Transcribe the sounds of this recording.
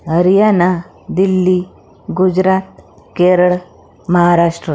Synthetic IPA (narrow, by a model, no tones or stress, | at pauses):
ɦɐɾijana | d̪ilːi | ɡud͡ʒɾaːt̪̚ | keːɾəɭ | mɐɦaɾaːʂʈɾə